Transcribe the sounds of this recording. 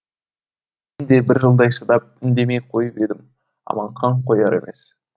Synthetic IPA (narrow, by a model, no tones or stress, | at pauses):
m | end̪e̞bɪɾʒəlˠd̪ɑjʃəd̪ɑp̚ɪnd̪e̞me̞jqʰo̞jəpe̞d̪ɪm | ɑ̰mɑɴqʰɑɴqʰo̞jɑɾe̞̰mʔe̞̰s